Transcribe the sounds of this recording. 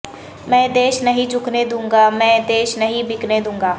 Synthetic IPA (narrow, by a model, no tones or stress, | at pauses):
mɛ̃ːd̪eːʃnɐɦĩd͡ʒʊkʰned̪ũːŋɡamɛ̃ːd̪eːʃnɐɦĩbɪkned̪ũːŋɡaː